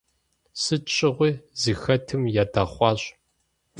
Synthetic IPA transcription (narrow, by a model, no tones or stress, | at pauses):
sɨt͡ʃʼɪʁʷiːzixɐtʰɨmjaːdaːχʷɑːɕ